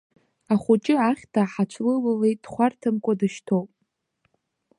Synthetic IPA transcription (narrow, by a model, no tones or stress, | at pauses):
aχʷut͡ʃʼɪaχʲtʰaħat͡ʃʷʰlɨlalej̚d̥χʷartʰɨmkʷʼadɨʃtʰowpʼ